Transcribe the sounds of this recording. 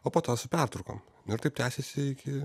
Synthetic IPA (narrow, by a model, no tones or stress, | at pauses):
oːpoːt̪oːsʊpʲɛrt̪ɾʊko̰ːm | nʊɪɾt̪ɐɪpt̪ʲæːsʲesʲɪɪkʲɪ